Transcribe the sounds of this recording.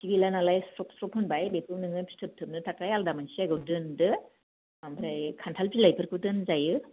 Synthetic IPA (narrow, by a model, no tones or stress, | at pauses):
siɡilanalajstɾɔksɾɔphɯnbajbekʰɯwnɯŋɯpʰi̥stʰɯp̚tʰɯm̚nɯtʰakɾajaldamansiaɡɯwdɯndɯ | ambʰɾajkʰantʰalpilajpʰɯɾkʰɯdɯnzajɯ